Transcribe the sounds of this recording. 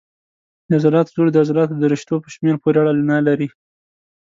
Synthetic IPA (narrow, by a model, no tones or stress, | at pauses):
d̪əazɑɾɑt̪zod̪əazɾɑt̪od̪əɾɪʃt̪opə̥ʃmeɾpoɾeaɽalnɑlaɾi